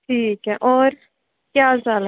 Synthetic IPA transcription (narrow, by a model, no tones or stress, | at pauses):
ʈʰiːkeʔoːɾ | kjaːzal